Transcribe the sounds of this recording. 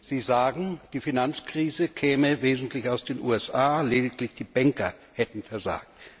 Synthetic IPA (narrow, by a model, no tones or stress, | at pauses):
z̥iːzaːɡŋ̩d̥iːfinant͡skʁ̥iːzəkʰɛːməveːzn̩tlɪçaʊsd̥eːnʔṵːɛsʔaːleːdɪklɪçd̥iːbɛŋkɐhɛtn̩fɛɐza̰ːk̚t